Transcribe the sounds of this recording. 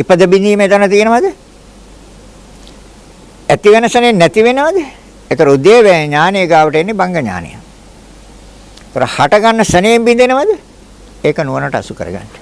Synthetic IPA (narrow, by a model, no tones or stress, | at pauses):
ipəd̪əbind̪iːmet̪anət̪ijənəʋad̪ə | æt̪iʋenəsənejenːɛt̪iʋenəʋad̪ə | et̪oɾəud̪eːʋæːɲaːnijəɡaːʋəʈenːebaŋɡəɲa̰ːnḭja̰m | et̪oɾəhaʈɐɡanːəsənejembind̪enəʋad̪ə | eːkənuənəʈəa̰sukə̰ɾə̰ɡa̰nʈə̥